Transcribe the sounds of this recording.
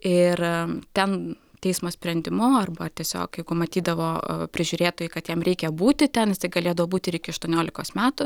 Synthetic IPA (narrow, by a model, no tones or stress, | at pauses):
ɪrt̪ʲɛn | t̪ʲɛɪsmoːsʲpʲɾʲɛnʲd̪ʲɪmʊɐrbɐt̪ʲiɛsʲo̰ːkjɛɪɡʊmɐt̪ʲiːd̪ɐʋo̰ːpʲɾʲɪʒʲʊːɾʲeːt̪oːjɛɪkɐt̪jɛmɾʲɛɪkʲɛbuːt̪ʲɪt̪ʲɛnɪst̪ɐɪɡɐlʲeːd̪ɐʋoːbuːt̪ʲɪɪɾɪkʲɪɐʃt̪uɔnʲoːlʲɪkoːsmʲæːt̪ʊ